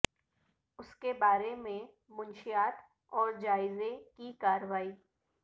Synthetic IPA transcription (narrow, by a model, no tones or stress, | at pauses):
ʊskebaːɾemẽ | mʊnʃijaːt̪ | ɔːɾd͡ʒaːɪzekikaːɾəʋaːiː